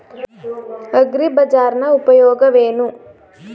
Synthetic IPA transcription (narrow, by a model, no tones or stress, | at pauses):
ɐɡɾibɐd͡ʒaːɾnɐupɐjɔːɡɐʋeːnu